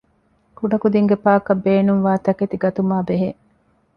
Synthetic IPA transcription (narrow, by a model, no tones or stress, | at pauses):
kuɖɐkud̪iŋɡepaːkɐbːeːnuŋʋaːt̪ɐket̪iɡɐt̪umaːbeɦe